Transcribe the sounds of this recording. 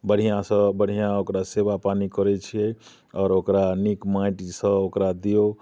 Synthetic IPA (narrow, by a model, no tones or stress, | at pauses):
bəɽ̤ijãsə̃bəɽ̤ijãokɾasebapanikəɾɛt͡ʃʰijɛ | ɔːɾokɾanikmajʈsə̃okɾad̪ijo